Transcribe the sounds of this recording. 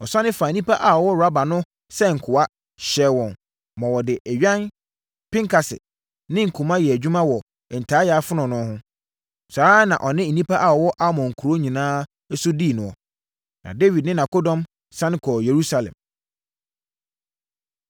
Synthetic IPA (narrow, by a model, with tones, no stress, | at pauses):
ɔ˨sã˦nɪ̃˦faː˨nĩ˦pʰa˦ʔa˨ɔ˨wɔ˦ɾa˦ba˨nʊ̃˦ | sɛ˦ŋ̩˨kʰʊ˨a˦ | ɕɛ˨˦wɔ̃˨n | mɔ̃˨wɔ˨dɪ˨ʔæ˨ɥᶣã˦n | pɪ̃˦ŋkʰa˨sɪ̰˨ | nɪ̃˦ŋ̩˨kʰu˨mã˦jɛ˨æ˨d͡ʑᶣu˦mã˦wɔ˨ | n̩˨tʰaː˨˦jaː˨˦fʊ˦nʊ̃˨nʊ̃˦hʊ̃˦ | saː˨˦nã̰˨ʔɔ˨nɪ̃˦n̩˨nĩ˦pʰa˦ʔa˨ɔ˨wɔ˦ʔa˦mɔ̃˨ŋ̩˨kʰu˨ɾo˦ɲĩ˨nãː˦ | ɛ˦sʊ˦di˦˨nʊ̃˨ɔ˨ | nã̰˨de˦wi˨d̚nɪ̃˦nã˨ko˦dɔ̃˦m | sã˦n˦kʰɔ˨je˨ɾu˦sa˦lɛ̰̃˨m